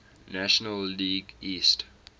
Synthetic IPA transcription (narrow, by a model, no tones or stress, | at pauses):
næʃənəlːiːɡist